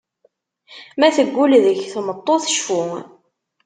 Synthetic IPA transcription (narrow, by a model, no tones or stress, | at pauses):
mæθəɡʷːulðəçθmət̪ˤːoθə̥ʃfu